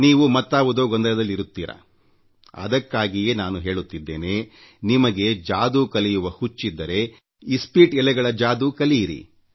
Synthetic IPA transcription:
niːʋumɐt̪ːaːʋud̪o̞ːɡond̪ɐlɐd̪ɐlːiɾut̪ːiːɾɐ̰ | ɐ̰d̪ɐkːaːɡije̞ːnaːnuɦe̞ːɭut̪ːid̪ːe̞̰ːne̞ː | nimɐɡe̞d͡ʒaːd̪uːkɐlijuʋɐhut͡ʃːid̪ːɐɾe̞ | ispiːʈɛlɛɡɐɭɐd͡ʒaːd̪uːkɐlijiɾḭ

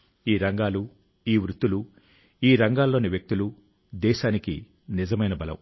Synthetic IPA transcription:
iːɾɐŋɡaːlu | iːʋɾut̪ːulu | iːɾɐŋɡaːlːo̞ːniʋjek̚t̪ulu | d̪ɛːʃaːniki | nizɐmɐjnɐbɐlɐ̰m

